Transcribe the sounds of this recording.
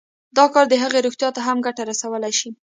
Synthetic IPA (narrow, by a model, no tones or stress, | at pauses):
d̪ɑkɑɾd̪əɦəɣeɾoxt̪jɑt̪aɦamɡaʈaɾasawəlajʃi